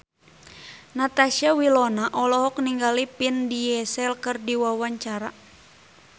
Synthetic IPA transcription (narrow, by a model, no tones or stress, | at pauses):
nat̪aʃiawilɔnaʔɔlɔɦɔkniŋɡalipindijɛsɛlkɨrdiwawaɲt͡ʃaɾa